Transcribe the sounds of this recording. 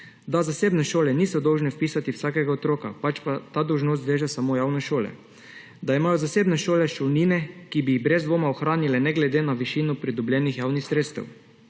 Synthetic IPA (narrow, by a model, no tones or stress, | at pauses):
d̪azaseːbnɛʃoːlɛniːsɔd̪ɔwʒnɛfpiːsat̪iwsaːkɛɡaot̪ɾoːkapat͡ʃpat̪aːd̪ɔwʒnoːs̬t̪ʋeʒasamojaːwnɛʃoːlɛ̰ | d̪aimaːjɔzaseːbnɛʃoːlɛʃɔwniːnɛkibiɣbɾɛzd̪ʋoːmaɔxɾaːnilɛnɛɡlɛd̪enaʋiʃiːnɔpɾid̪ɔblʲjɛːnixjaːwnixsɾeːt̪st̪ɛ̰w